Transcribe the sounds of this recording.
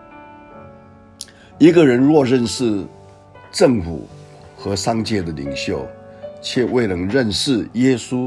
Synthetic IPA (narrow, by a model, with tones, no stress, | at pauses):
i˧˥ɡə˨ɻə˧˥nɻwɔ˥˧ɻə˥˧nʂɻ̩˥˩˧ | ʈ͡ʂɤ˥˨˩ŋfṵ˨˩ | xɤ˧˥ʂɑ˥ŋt͡ɕjɛ˥˩d̪ə˩lḭ˨˩ŋɕjo˥˩ʊt͡ɕʰjɛ˥˧we˥˩ɪnə˧˥ŋɻə˥˧nʂɻ̩˥˩jɛ˥su˥